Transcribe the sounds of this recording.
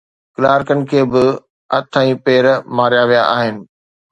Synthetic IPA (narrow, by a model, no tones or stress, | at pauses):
klaːɾkənɪ̆kʰeːbɪ | ɐt̪ʰãːĩpeːɾmaːɾijaʋijaʔaːɦɪnɪ̆